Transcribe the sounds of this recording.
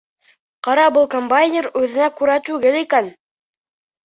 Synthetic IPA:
qɑɾɑbɤlˠkombajnʲeɾʉðɘ̆nækʉɾæt̪ʉɡɘlikæn

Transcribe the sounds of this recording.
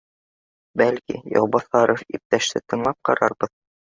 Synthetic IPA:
bælkḭjɑ̰wbɑθɑɾofip̚t̪æʃt̪ɘt̪ɤ̆ɴlˠɑp̚qɑɾɑɾbɤð

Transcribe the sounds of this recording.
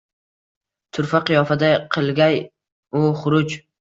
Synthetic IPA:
t̪ʰʊɾfaqʰɨjɒfad̪aqʰɨlˠɡʲaj | ʊχʊɾʊd͡ʒ

